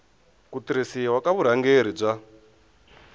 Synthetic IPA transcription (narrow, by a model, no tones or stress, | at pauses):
kutiɾisiwakaβuɾ̤aŋɡeɾ̤ib͡ʐʷa